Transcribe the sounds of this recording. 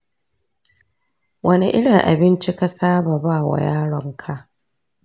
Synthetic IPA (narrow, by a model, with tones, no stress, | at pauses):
wɐ˦ni˦ʔɪ˦ɽɪ˨ŋʔa̰˨bɪ˦nt͡ʃi˦ka˦saː˦baː˨baː˦˨wa̰˨jaː˦ɽɔ˦ŋkʰa˦ʔ